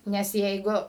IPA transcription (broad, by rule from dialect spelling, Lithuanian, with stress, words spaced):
nʲɛs ˈjɛɪɡʊ